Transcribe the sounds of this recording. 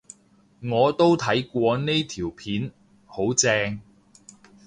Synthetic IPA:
ŋɔː˨˧t̪o˥wt̪ʰɐ˨˥jkʷɔː˧ne˥jt̪ʰiː˨˩wpʰiː˨˥n | ho˨˥wt͡sɛː˧ŋ

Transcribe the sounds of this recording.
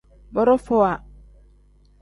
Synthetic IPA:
bɔ˦ɾo˦fo˦˨a˨

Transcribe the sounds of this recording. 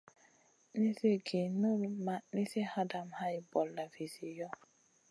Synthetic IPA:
ni˦se˦ɡe˨no˦ɾma˨ni˦se˦ha˦da˨m̩˨˦ha˦ɪ˦bɔ˨lla˨vi˨zi˨jɔ˦

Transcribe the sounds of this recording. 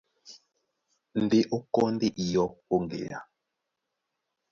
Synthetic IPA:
n̩˨de˦ʔo˦kɔ˦n˦di˦ʔi˨jɔ˦k̚o˦ŋɡḛ˨ja̰˨

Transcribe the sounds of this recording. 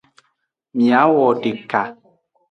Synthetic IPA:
mja˨˦wɔ˨de˨ka˨

